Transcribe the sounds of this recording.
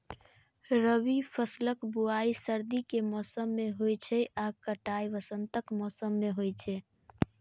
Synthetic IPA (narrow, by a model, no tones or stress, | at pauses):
ɾəβipʰəsləkbuaisəɾd̪ikemɔsəmːeɦojt͡ʃʰɛʔakəʈajʋəsənt̪əkmɔsəmːeɦojt͡ʃʰɛ